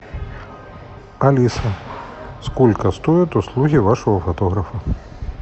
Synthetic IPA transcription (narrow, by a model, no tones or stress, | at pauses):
ɐlʲisɐskulʲkɐst̪ujʊt̪ʊslˠuɦʲiʋaʃɔɦɔfɐt̪ɔɦɾɐfɐ